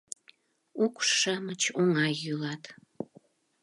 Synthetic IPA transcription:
ukʃəmət͡ɕoŋɑjːylɑt̪

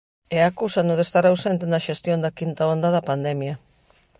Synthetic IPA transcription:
ɛakusanʊðest̪aɾawsent̪enaʃest̪jõnd̪akint̪aond̪aðɐpand̪ɛmjɐ

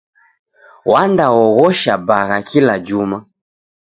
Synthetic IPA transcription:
wandaɔɣɔʃabaɣakʰilad͡ʒuma

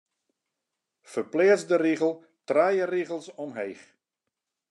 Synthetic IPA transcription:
fərplɪːəzdəriɣəlˠ | traːjəriɣəlˠsɔmɦejx

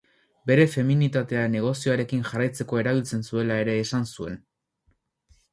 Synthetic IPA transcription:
be̞ɾe̞fe̞minit̪at̪e̞ane̞ɣ̞o̞sio̞aɾe̞kinʝarajt͡se̞ko̞e̞ɾaβ̞ilt͡se̞nsue̞lae̞ɾe̞ːsansue̞n

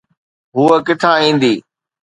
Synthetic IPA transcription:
ɦuəkɪt̪ʰãːĩːnd̪iː

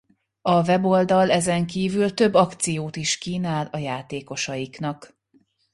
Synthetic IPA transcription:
ɒvɛbo̞ld̪ɒlɛzɛŋkiːvylt̪ø̞bːɒkt̪sijoːt̪iʃkiːnaːlɒjaːt̪eːko̞ʃɒjiknɒk

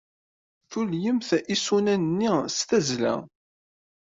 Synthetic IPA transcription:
θuljəmθisunænnːist̪æzlæ̰

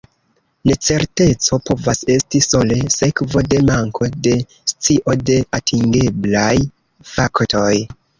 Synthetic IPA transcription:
ne̞t͡se̞ɾte̞t͡so̞po̞vase̞stiso̞le̞se̞kvo̞de̞maŋkʰo̞de̞ | st͡siʔo̞de̞atʰiŋɡe̞blaj | fakto̞j

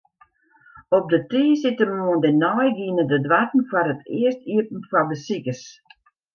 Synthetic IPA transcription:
ɔp̚dətiːsɪtəmuəndɪnɔjɡiənədədwatn̩farətʰɪəstiərpn̩fɔdəsikəs

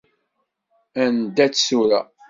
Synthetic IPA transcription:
ænd̪æt͡sːsuɾæ̰

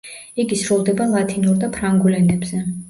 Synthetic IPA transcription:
iɡisɾulˠd̪ɛbalˠat̪ʰinuɾd̪apʰɾaŋɡulɛnɛbz̥ɛ

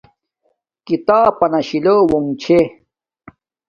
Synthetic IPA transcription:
kit̪aːpɐnɐɕilowoŋt͡ɕʰe

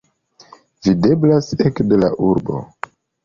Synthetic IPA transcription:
vide̞blasekde̞la̰ʔuɾbo̞̰

